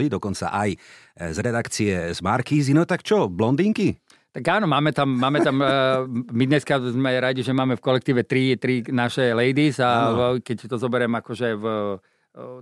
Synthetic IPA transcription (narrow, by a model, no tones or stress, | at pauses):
id̪ɔkɔnt͡sa̰ʔaj | zɾɛd̪akt͡siɛzmaɾkiːzinɔt̪akt͡ʃɔblɔnd̪iːŋki | t̪aɡaːnɔmaːmɛt̪amːaːmɛt̪am | mid̪ɲɛskazmɛɾaɟiʒɛmaːmɛfkɔlɛk̚t̪iːʋɛt̪ɾit̪ɾinaʃɛlɛjd̪isakɛct̪ɔzɔbɛɾɛmakɔʒɛv